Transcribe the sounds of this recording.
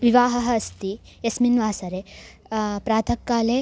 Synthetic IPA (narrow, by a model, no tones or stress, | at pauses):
ʋiʋaːɦɐɦɐɐst̪i | jɐsminʋaːsɐɾe | pɾaːt̪ʰɐkːaːle